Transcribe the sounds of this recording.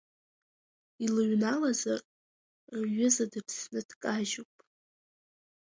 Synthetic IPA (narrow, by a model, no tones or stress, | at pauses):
ilɨɥnalazar | ɥʊzadɨpʰsnɨd̥kʼaʒowpʼ